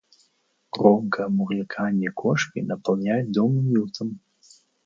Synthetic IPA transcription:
kɾɔmkʰɐmuɣɨkʰanʲijkʰɔʂkʲinɐpɐlˠnʲajʲd̪ɔmumʲilˠt̪ʰəm

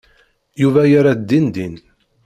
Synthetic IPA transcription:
juvæjaɾad̪ːind̪in

